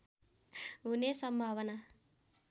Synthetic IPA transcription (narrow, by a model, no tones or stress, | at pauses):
ɦunesʌmbʱawʌna